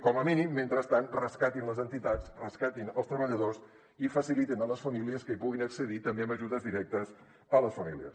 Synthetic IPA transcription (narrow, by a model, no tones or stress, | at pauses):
kɔməminimːent̪ɾəst̪anrəskat̪inləzənt̪it̪at͡srəskat̪inəlˠst̪ɾəβəʎəðos | ifəsilit̪inələsfəmiliəskəipuɣinəksəðit̪əmbeəmbəʒuðəzðiɾɛk̚t̪əs | ələsfəmiliə̰s